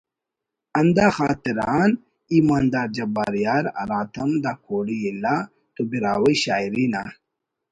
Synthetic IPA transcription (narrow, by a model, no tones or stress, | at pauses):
ɐnd̪aːxaːt̪iɾaːn | iːmaːnd̪aːɾd͡ʑɐbaːɾijaːɾɐ̰ɾaːt̪ʰɐmd̪aːkʰoːɽiila | t̪obiɾaːwɐjɕaːiɾiːna